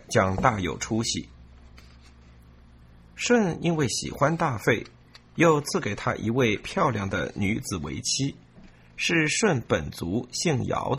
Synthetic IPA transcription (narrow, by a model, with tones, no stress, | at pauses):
t͡ɕjɑ˥ŋt̪a˥˩jo̰˨˩ʊʈ͡ʂʰu˥ɕḭ˨˩ | ʂwə˥˧ni˥nwe˥˩ɪɕḭ˨˩xwa˦nt̪a˥˧fe˥˩ɪ | jo˥˧ʊt͡sʰɹ̩˥˩ke˨˩ɪt̪ʰa̰˥ʔi˧˥we˥˩ɪpʰjɑ˥˧ʊljɑ˥˩ŋd̪ə̰˩ny˧˥t͡sɹ̩˨˩wḛ˧˥ɪt͡ɕʰi˥ | ʂɻ̩˥˧ʂwə˥˩npə˨˩nt͡su˧˥ɕi˥˩ŋjɑ̰˧˥ʊd̪